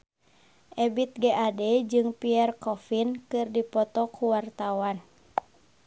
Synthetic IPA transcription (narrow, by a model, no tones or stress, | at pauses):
ʔɛbit̪̚ɡɛʔadɛd͡ʒɨŋpiɛrkɔfinkɨrdipɔt̪ɔkʰuwart̪awan